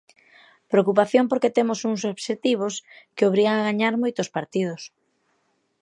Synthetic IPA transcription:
pɾeokup̬aθjoŋpoɾket̪emosuŋs̬oβʃet̪iβ̞oskɪoβɾiɣaŋaɣaɲaɾmojt̪ʊspaɾt̪iðʊs

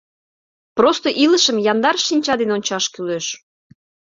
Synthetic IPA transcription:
prost̪oʔiləʃəmjɑnd̪ɑrʃinʲt͡ɕɑd̪enonʲt͡ɕɑʃkyleʃ

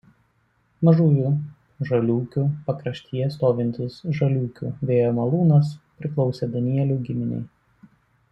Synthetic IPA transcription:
mɐʒuːjuː | ʒɐlʲuːkʲuːˑpɐkɾɐʃʲt̪ʲijɛst̪oːʋʲɪnʲt̪ʲɪsʒɐlʲuːkʲṵːʋʲeːjoːmɐlˠuːnɐspʲɾʲɪklˠɒʊsʲeːd̪ɐnʲiɛlʲuːɡʲɪmʲɪnʲɛ̰ɪ

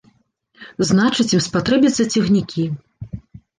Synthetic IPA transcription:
znat͡ʂɨt͡sʲimspat̪ɾɛbʲit̪sːɐt͡sʲixnʲikʲʰi

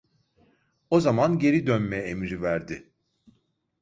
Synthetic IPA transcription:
o̞zamanɟe̞ɾid̪ønmɛemiɾivæɾd̪ɪ

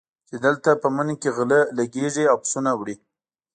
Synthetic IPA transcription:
t͡ʃed̪əlt̪apəmənkeɣlələɡeʐiawpsunawɽi

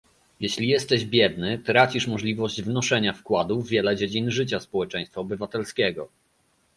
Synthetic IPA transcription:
jɛɕlʲijɛst̪ɛʑbʲjɛd̪nɘt̪ɾat͡ɕiʂmɔʐlʲivɔʑd͡ʑvnɔʂɛɲafkwad̪uvːʲjɛlɛd͡ʑed͡ʑinʐɘt͡ɕaspɔwɛt͡ʂɛ̃j̃st̪faːbɘvat̪ɛlskʲɛɡɔ̰

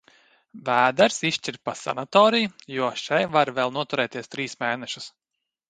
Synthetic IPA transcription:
væːd̪ɛɾsiʃt͡ʃʲiɾt̪̚pasa̰nat̪ɔːɾijjuɔʃɛjvaɾvɛlˠnuɔt̪uɾɛːt̪iɛst̪ɾiːsmɛːnɛʃus

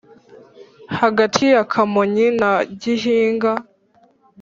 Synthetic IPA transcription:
haɡatʰijakʰamoɲinaɟiɦiːŋɡa

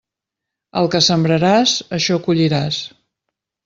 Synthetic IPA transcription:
əlˠkəsəmbɾəɾazəʃɔkuʎiɾas

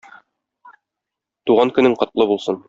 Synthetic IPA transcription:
t̪uʁɑŋkɵ̆nɘɴqɒ̆t̪lˠɤbulˠsɤn

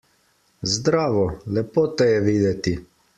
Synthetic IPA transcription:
zd̪ɾaːʋɔlɛpoːt̪ɛjɛʋiːd̪ɛt̪i

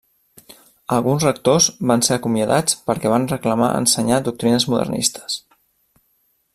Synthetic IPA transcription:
əlˠɣunzrək̚t̪ozβanseɾəkumjəðat͡spəɾkɛβ̞anrəkləma̰ʔə̰nsəɲad̪uk̚t̪ɾinəzmuðə̰rnḭst̪ə̥s

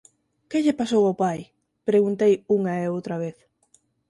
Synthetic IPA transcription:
keʎɪpasowapaj | pɾeɣunt̪ejuŋɐeowt̪ɾɐaβ̞eθ

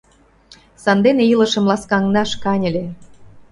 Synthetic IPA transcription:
sɑnd̪eneilɤ̆ʃə̆mlɑskɑŋnɑʃkɑnʲə̆lʲe

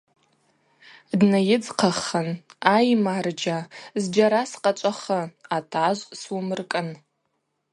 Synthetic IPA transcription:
dnajɪd͡zqʰaχənajmard͡ʒazd͡ʒaɾasqʼat͡ʃʷʼaχəatʰaʒʷswʊmɨrkʼɨn

